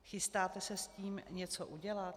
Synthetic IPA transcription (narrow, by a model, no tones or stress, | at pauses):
xɪst̪aːt̪ɛsɛsciːmɲɛt͡soʔuɟɛlat̪